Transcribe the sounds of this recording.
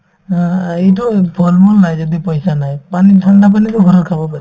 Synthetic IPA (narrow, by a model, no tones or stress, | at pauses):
ãejt̬ubʱɔlmɔlnajd͡ʒɔd̪ipɔjsanajpaniʈʰaɳɖap̬anit̪ʊɡʱɔɾɔɾkʰabɔpaɾi